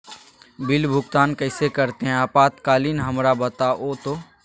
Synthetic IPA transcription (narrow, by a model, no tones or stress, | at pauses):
bɪlbʱʊɡt̪aːnkɐɪsekɐɾt̪eɦɛ̃aːpaːt̪kaːliːnɦɐmɾabɐt̪aʔoːt̪o